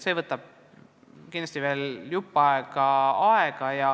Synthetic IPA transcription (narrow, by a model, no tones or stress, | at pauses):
se̞ːvɤt̪ːˑɑb̥̚ | kinlɑst̪ive̞ːljupːɑeɡ̥ɑɑeɡ̥ɑjɑ